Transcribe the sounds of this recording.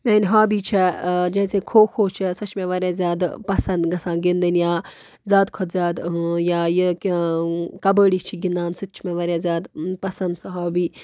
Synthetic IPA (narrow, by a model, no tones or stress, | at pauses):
meːnʲɦaːbiːt͡ʃʰɛd͡ʒɐːsekʰoːkʰoːt͡ʃʰisɐt͡ʃʰmẽʋɐɾjaːzʲjaːd̪pɐsɐnd̪ɡɐsãːɡind̪ɐnjaː | zʲjaːd̪kʰɔt̪zʲjaːd̪jaːji | kɐbəːɽit͡ʃʰiɡĩnd̪aːnsɨt͡ʃʰmẽʋɐɾʲjaːzʲjaːd̪pɐsɐnd̪sɐɦaːbiː